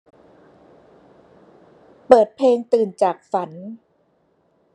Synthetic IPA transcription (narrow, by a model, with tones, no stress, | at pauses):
pɤː˨˩t̪̚pʰleː˧ŋt̪ɯː˨˩nt͡ɕaː˨˩k̚fa˩˦n